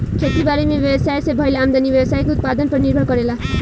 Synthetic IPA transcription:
kʰet̪ibaɾimebjebsajsebʱʌjlamd̪anibjʌbsajkout̪̚pad̪ʌnpʌɾniɾbʱakʌɾela

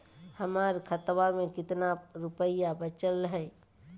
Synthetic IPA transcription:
həmaɾkʰət̪wamẽkɪt̪naɾupəɪjabət͡ʃələɦə

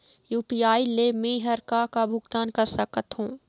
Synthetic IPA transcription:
juːpiːaːilemẽɦəɾkakabʱʊɡt̪aːnkəɾsəkət̪ɦũː

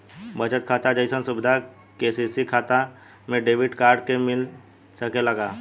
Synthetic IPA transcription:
bət͡ʃət̪̚kʰaːt̪ad͡ʒəɪsənsʊbɪd̪ʱa | keːsisikʰaːt̪a | mẽɖeːʋɪʈkaːɾɖkemɪl | səkelɐɡaː

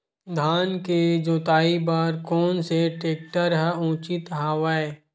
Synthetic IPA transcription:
d̪ʱaːnked͡ʒoːt̪aːibaːɾkɔːnseʈeːk̚ʈəɾɦəũːt͡ʃit̪ɦaːʋae

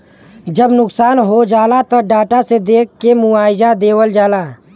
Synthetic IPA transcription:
d͡ʒəbnʊksaːnɦod͡ʒaːlat̪əɖaːʈased̪eːkːemʊaːɪd͡ʒad̪eːwəld͡ʒaːlaː

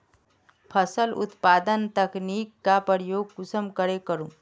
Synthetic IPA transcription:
pʰəsəlʊ̰t̪paːd̪ənt̪ɐkniːkːapəɾjoːɡ̚kʊsəmkəɾekəɾũː

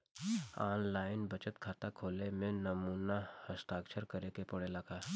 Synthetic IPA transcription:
aːnlaːɪnbɐt͡ʃət̪kʰaːt̪akʰoːlemẽnɐmuːnahəst̪aːkʃʰəɾkəɾekepɐɽelaːɡaː

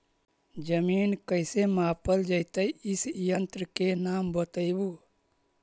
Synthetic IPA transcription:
d͡ʒəminkəɪsemapəld͡ʒəɪt̪əjisjənt̪ɾəkenambət̪əɪbu

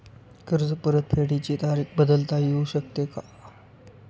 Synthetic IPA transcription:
kəɾd͡zəpəɾət̪̚pʰeɽit͡ɕit̪aɾiːkbəd̪əlt̪ajeuɕək̚t̪eka

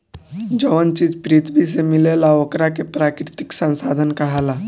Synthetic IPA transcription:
d͡ʒəʋənt͡ʃid͡ʒpɾit̪ʰbis̬emilelaokɾakepɾakɾɪt̪iksə̃nsad̪ʱənkəɦala

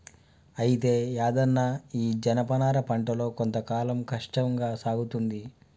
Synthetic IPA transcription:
ɐjit̪e̞ːaːd̪ɐnːaːiːd͡ʒɐnɐpɐnaːɾɐpɐɳʈɐlo̞ːko̞nt̪ɐkaːlɐmkɐʂʈɐŋɡaːsaːɡut̪und̪i

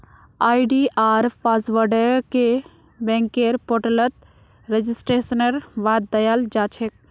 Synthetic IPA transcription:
aːiɖiʔaːɾpaːsʋəɾɖəɾke | bɛ̃ːŋkeːɾpoːʈələt̪ | ɾed͡ʒɪsʈɾeːsənəɾʋaːd̪̚ːɐjald͡ʒaːt͡ʃʰek̚

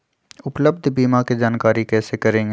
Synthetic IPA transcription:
ʊpləb̚d̪ʱbiːmaked͡ʒaːnkaːɾikɛːsekɐɾẽːɡ

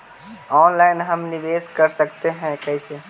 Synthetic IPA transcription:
ɔnlainɦəmniʋeskəɾsəkt̪eɦɛ̃kəise

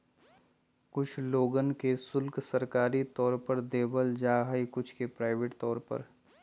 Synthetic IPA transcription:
kʊt͡ʃʰloːɡənkesʊlksɐɾkaːɾit̪ɔːɾpɐɾd̪eːbəld͡ʒaːɦəikʊt͡ʃʰkepɾaːɪʋeːʈt̪ɔːɾpɐ̰ɾ

